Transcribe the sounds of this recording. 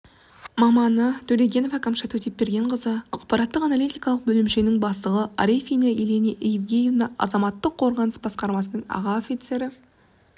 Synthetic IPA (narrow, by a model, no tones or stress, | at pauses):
mɑmɑnət̪ʰɵɾʲeɡʲe̞novɑkʰamʃɑt̪wɵt̪e̞p̚ːbe̞ɾɡʲe̞ɴqʰəzəɑq̚pɑɾɑt̪ːəqɑnalijt̪ijkɑlˠəq̚bɵlɪmʃenɪŋbɑst̪əʁəʔa̰ɾefʲijneeleneʔjɪvɡʲejɪvnɑʔɑ̰zɑmɑt̪ːəqʰːo̞ɾʁɑnəsbɑsqɑɾmɑsənəɴɑ̰ʁɑofʲit̪se̞ɾɪ